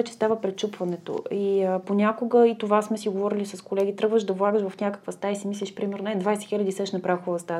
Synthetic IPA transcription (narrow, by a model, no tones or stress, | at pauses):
ɛt͡ʃɛ̥st̪avəpɾɛt̪t͡ʃupvɐnɛt̪o̰iponʲakoɡəit̪ovasmɛsiɡovɔɾilisɐskolɛɡ̟ʲit̪ɾɤɡvəʒd̪ɐvlˠaɡəʃvəfnʲakə̥kvəst̪aisimislʲiʃpɾimɛɾnoɛd̪vajsɛ̥xilʲəd̪isɛʃnɐpɾafxovɐst̪a